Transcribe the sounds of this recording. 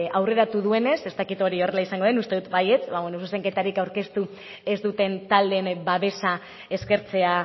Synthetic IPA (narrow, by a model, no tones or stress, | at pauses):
awre̞ɾat̪uðue̞ne̞se̞st̪akit̪o̞ɾio̞re̞laisaŋɡoðenust̪e̞ðut̪baje̞t͡sβaβwenosuse̞ŋke̞t̪aɾikawɾke̞st̪u | e̞zd̪ut̪e̞nt̪ald̪e̞nbaβe̞sa | e̞ske̞ɾt͡se̞a